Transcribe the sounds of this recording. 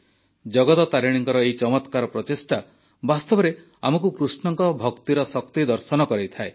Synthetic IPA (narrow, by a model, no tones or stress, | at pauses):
d͡ʒɔɡɔt̪ɔt̪aɾiɽ̃iŋkɔɾɔejt͡ʃɔmɔt̪kaɾɔpɾɔtesʈa | bast̪ɔbɔɾe | amɔk̬ukɾusɳɔŋkɔbʱɔkt̪iɾɔsɔkt̪id̪ɔɾsɔnɔkɔɾejt̪ʰae